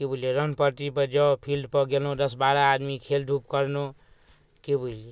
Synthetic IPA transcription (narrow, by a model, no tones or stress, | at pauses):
kebʱuljeɾʌnpəɾt̪ipəd͡ʒɔpʰilɖpɔɡelõd̪ʌsbaɾaːd̪mikʰelɖʱup̚kʌɾno | kebʱule